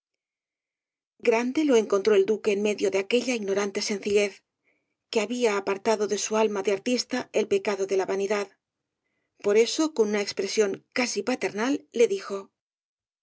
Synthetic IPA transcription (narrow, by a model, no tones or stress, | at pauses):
ɡɾand̪e̞lo̞e̞ŋko̞nt̪ɾo̞e̞ld̪ukeːnme̞ðjo̞ðeake̞ʎaiɣno̞ɾant̪e̞se̞n̟θiʎe̞θ | keaβiaːpaɾt̪aðo̞ðe̞sualmaðeaɾt̪ist̪aelpe̞kaðo̞ðe̞laβaniðað | po̞ɾe̞so̞konunaekspɾe̞sjo̞ŋkasipat̪e̞ɾnalːe̞ðixo̞